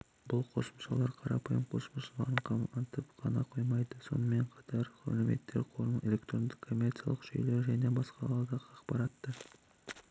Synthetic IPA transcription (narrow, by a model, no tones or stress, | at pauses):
bʊlˠqʰo̞sə̥mʃɑlˠɑɾqʰɑɾɑpʰɑjəmqʰo̞səməʃəlˠɑ̰ɾəɴqʰɑmɑnt̪əpqʰɑnɑqʰo̞jmɑjd̪əso̞̰nəme̞ɴqʰɑ̥t̪ʰɑɾχɵ̰leme̞̰t̪ːe̞ɾqʰolˠəe̞lʲe̞kt̪ɾo̞nd̪ɪkʰːo̞mʲːert̪sijɑ̰lˠəqʒ̥ɵ̰jleɾʒæne̞bɑsqɑlˠɑɾd̪ɑqɑqpɑɾɑt̪ːə